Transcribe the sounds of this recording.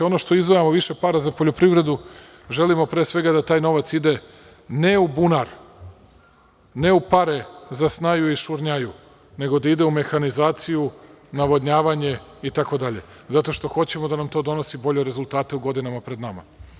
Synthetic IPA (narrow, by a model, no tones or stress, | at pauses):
ono̞ʃt̪o̞izʋojamo̞ʋiʃe̞paːɾazapoʎo̞pɾiʋɾe̞d̪u | ʒe̞limo̞pɾeːsʋe̞ɡad̪at̪aːjno̞ʋat̪sid̪e̞ | ne̞ubunaɾ | ne̞upaɾe̞zasnaːjuiʃuɾɲaju | ne̞ɡo̞d̪aid̪e̞ume̞xanizaːt̪siju | naʋo̞d̪ɲaːʋaɲe̞it̪ako̞d̪aʎe̞̰ | zat̪o̞ʃt̪o̞xo̞t͡ɕe̞mod̪anamt̪o̞ːd̪o̞no̞sibo̞ʎe̞ɾe̞zulˠt̪aːt̪e̞uɡo̞d̪inamapɾe̞d̪nama̰